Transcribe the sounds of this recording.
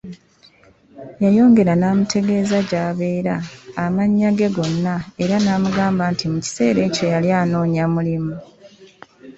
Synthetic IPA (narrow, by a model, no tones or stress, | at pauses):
jajo̞ːŋɡe̞ɾanaːmutʰe̞ɡe̞ːzaɟaːβe̞ːɾaːmaɲːaɡe̞ɡo̞nːae̞ɾanaːmuɡaːmbantʰimuci̥se̞ːɾe̞ːco̞jaljaːno̞ːɲamulimu